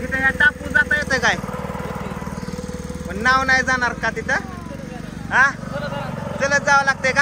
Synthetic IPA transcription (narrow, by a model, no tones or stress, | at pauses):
ɡit̪ẽjaʈapud͡zat̪əjet̪əkaj | pəɳnawnajd͡zanaɾkat̪it̪ʰə | ɦã | t͡sələd͡zaʋəlaɡ̚t̪eka